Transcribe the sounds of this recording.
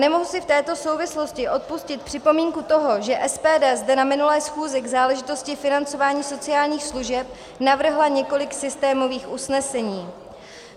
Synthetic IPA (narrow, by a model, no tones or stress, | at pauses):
nɛmoɦusɪft̪ɛːt̪o̞sowvɪslo̞scɪʔo̞t̪̚puscɪt̪̚pr̥ɪpo̞miːŋkut̪o̞ɦo̞ʒɛʔɛspɛːdɛːzdɛnamɪnulɛːsxuːzɪɡzaːlɛʒɪt̪o̞scɪfɪnant͡so̞vaːɲiːso̞t͡sɪaːlɲiːxsluʒɛp | navr̩ɦlaɲɛko̞lɪksɪst̪ɛːmo̞viːxʔusnɛsɛɲiː